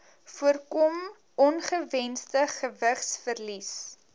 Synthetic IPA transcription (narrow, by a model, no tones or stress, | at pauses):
fuərkɔm | ʔɔnχəvɛnstəχəvəχsfərlis